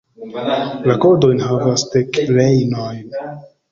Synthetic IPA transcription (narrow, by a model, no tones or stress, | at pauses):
lakodo̞jnɦavasdekɾejnojn